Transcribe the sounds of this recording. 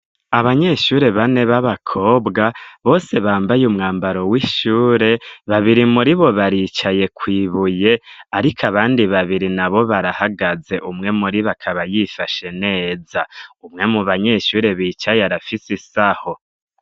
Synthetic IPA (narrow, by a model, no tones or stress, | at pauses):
aβaɲe̞ʃuːɾe̞βane̞βaβakʰo̞ːbɡaβo̞ːse̞βaːmbajumŋaːmbaɾo̞wiʃuːɾe̞βaβiɾimuɾiβo̞βaɾiːt͡ʃaje̞kwiːβuje̞aɾikʰaβaːndiβaβiɾinaβo̞βaɾahaɡaze̞ʔumŋe̞muɾiβakʰaβajifaʃe̞ne̞ːzaumŋe̞muβaɲe̞ʃuːɾe̞βiːt͡ʃajaɾafisisaho̞